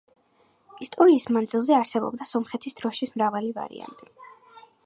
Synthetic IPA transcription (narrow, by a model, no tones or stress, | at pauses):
ist̪ʼɔɾiːsmand̪zilˠzɛaɾsɛbɔ̰bd̪asɔmχɛt̪ʰisd̪ɾɔʃismɾavaliva̰ɾḭa̰nt̪ʼi